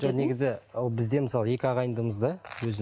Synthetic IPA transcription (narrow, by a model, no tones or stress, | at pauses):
ʒone̞ɡʲɪzɪolˠbɪzd̪e̞məsɑlˠəje̞kʲɪɑʁɑjənd̪əməzd̪ɑwɵzɪ